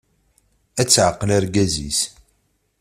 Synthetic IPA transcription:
æt͡sːʕəqːəlæɾɡæzḭs

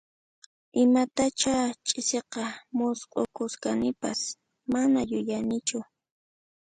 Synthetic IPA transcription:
ɪmat̪at͡ʃat͡ʃʼɪseqɑmʊsqʼo̰kʊskanɪpas | manajʊjanɪt͡ʃʊ

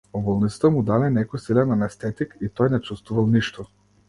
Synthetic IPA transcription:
ɔbɔlˠnit̪ə̥t̪əmud̪alɛnɛkɔjsilɛnanɛst̪ɛt̪ikit̪ɔjnɛt͡ʃust̪vuvalˠniʃt̪ɔ

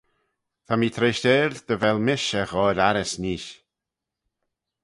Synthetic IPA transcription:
t̪ʰamiːt̪ʰɾeːʃteːɾd̪əvɛlmɪʃɛxɔːɾaɾɪsniːʃ

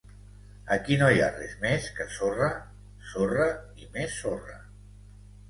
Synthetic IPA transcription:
əkinoja̰rɛzmeskəsorə | sorə | imesːorə̰

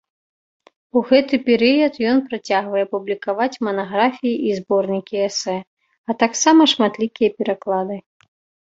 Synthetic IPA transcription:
uɣɛt̪ɨpʲɛɾɨjɐt̪jɔnpɾat͡sʲaɣvɐjɛpublʲikavat͡sʲmɐnaɣɾafʲijiʔizbɔrnʲikʲiɛsɛ | ɐt̪aksamɐʂmat̪lʲikʲijɐpʲɛɾaklˠad̪ɨ

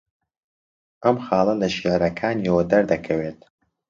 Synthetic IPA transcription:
ʔɐmxɑːlˠɐlɐʃiʕɾɐkʰaːnjwɐd̪ɐɾd̪ɐkʰɐweːt̪̚

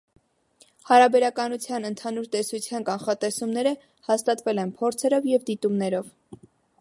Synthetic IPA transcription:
hɑɾɑbɛɾɑkɑnut͡sʰjɑnənt̪ʰɑnuɾt̪ɛsut͡sʰjɑnkɑnχɑt̪ɛsumnɛɾə | hɑst̪ɑt̪vɛlɛnpʰɔɾt͡sʰɛɾɔvjɛvd̪it̪umnɛɾɔv

